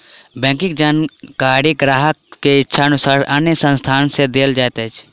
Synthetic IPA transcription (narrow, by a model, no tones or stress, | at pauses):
bɛ̃ːkɪ̃k̚d͡ʒaːnkaːɾiɡɾaːɦək̚ːeɪtːʃʰaənʊsaːɾɐnjəsə̃nst̪ʰaːnsed̪eːld͡ʒaːet̪et͡ʃʰ